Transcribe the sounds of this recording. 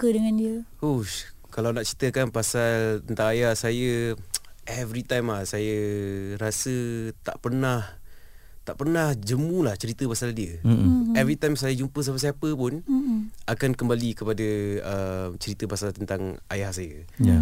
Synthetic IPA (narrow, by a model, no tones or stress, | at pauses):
kədəŋãndiəho | kalawnaʔt͡ʃɾit̪əkanpasalt̪ənt̪aŋajahsajə | ɛvɾit̪ajmlahsajəɾasət̪a̰ʔpərnah | t̪aʔpərnahd͡ʒəmũlaht͡ʃəɾit̪əpasaldiəɛvɾit̪ajmsajəd͡ʒumpəs̬amasajapəpʊnakankəmbalikəpadəəmt͡ʃəɾit̪əpasalt̪ənt̪aŋa̰jahsajə | a